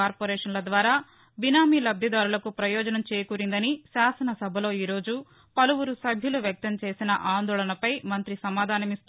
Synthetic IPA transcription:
aːɾpoɾɛːʂɐnlɐd̪ʋaːɾaː | binaːmilɐb̚d̪ʱid̪aːɾulɐkupɾɐjɔːd͡ʒɐnɐmt͡ʃeːjkuːɾind̪ɐnisaːsɐnɐsɐbʱɐlo̞ːiːɾo̞ːd͡ʒu | pɐluwuɾusɐbʱjuluʋjɐk̚t̪ɐmt͡ʃe̞ːsinɐʔaːnd̪ɔːlɐnɐpɐjmɐnt̪ɾisɐmaːd̪ʱaːnɐmist̪u

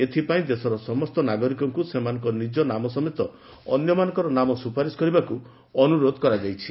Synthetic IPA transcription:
et̪ʰipaĩd̪esɔɾɔsɔmɔst̪ɔnaɡɔɾikɔŋkusemanɔ̃ŋkɔnid͡ʒɔnamɔsɔmet̪ɔ | ɔnjɔmanɔ̃ŋkɔɾɔnamɔsupaɾiskɔɾibaku | ɔnuɾod̪ʱɔkɔɾad͡ʒajt͡ʃʰi̥

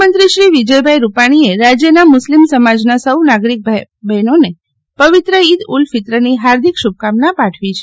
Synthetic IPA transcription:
mənt̪ɾiʃɾiʋid͡ʒəjbʱajɾupaɽ̃ieɾad͡ʒjənamʊslimsəmad͡ʒnasəwnaɡɾik̚b | bɛnone | pəʋit̪ɾəid̪ulfɪt̪ɾəniɦaɾd̪ʱikʃub̚kamnapaʈʰʋit͡ʃʰe

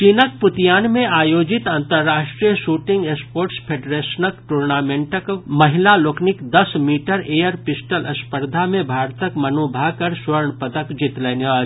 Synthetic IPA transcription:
t͡ʃinək̚pʊt̪ijaːnmẽaːjoːd͡ʒɪt̪ãnt̪əɾːaːʃʈɾijəʃuːʈɪ̃ŋɡeːspoːɾʈspʰeːɖɾeːsnəkʈuːɾnaːmẽːɳʈəkmɐɦɪlaloːknɪkd̪ɐsmiːʈəɾeːjəɾpɪsʈəlʔɐspəɾd̪ʱamẽbʱaːɾt̪əkmɐnoːbʱaɦkɐɾsʋɐɾɳpət̪əkd͡ʒɪt̪lɛːnaː

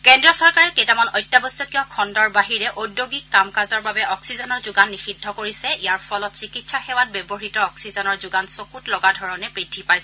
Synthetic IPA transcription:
kɛndɹɔsɔɹkaɹɛkejtamanɔjtːjabɔsɔkiɔ̃kʰɔndɔɹbaɦiɹɛʔodːoɡikːamkazɔɹbabɛʔɔksizɔnɔɹzʊɡanːixidʱːɔkoɹisɛijaɹpʰɔlɔtsikitsaxɛwat̚bɛbɔɦitɔɔksizɔnɔɹzʊɡansokutlɔɡadʱɔɹɔnɛpɹitʰːipajsɛ

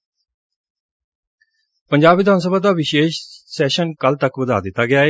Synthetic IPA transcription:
pəɲd͡ʒaːbʋɪd̪ʱaːns̬əbaːd̪aːʋɪʃeːʃsɛːʃənkəlt̪əkʋəd̪a̰ːd̪ɪt̪ːaːɡɪjaːeː

